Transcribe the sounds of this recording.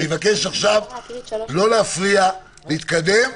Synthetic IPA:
evake̞ʃaχʃavlo̞leafʁia | leit̪kad̪e̞m

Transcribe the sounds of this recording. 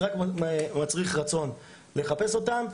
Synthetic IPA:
akmat͡sʁiχʁat͡so̞n | le̞χape̞so̞tam

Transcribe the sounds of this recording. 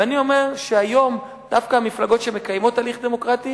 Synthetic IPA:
anio̞me̞ʁʃeajo̞m | d̥afkaamiflaɡo̞tʃemekajmo̞tːaliχd̪emo̞kʁati

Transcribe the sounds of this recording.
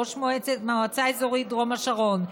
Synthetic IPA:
oʃmoɛt͡sɛmaat͡sajzɔʁidʁɔmaʃaʁɔn

